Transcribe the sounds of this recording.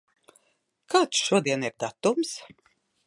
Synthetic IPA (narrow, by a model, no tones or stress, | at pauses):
kʰaːt̪sʃuɔd̪iɛniɾd̪at̪ums